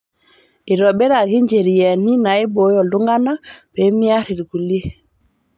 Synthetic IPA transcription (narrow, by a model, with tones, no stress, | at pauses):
i˨ɾɔ˨ɓe˦ɾa˨ki˦ɲd͡ʒe˨ɾi˨je˨ni˦na˨i˦bo˨˦jɔ˨ldu˦ŋɡa˦na˦b̥e˨˦mi˦a˦ɾi˨ɾɡu˨li˦e˦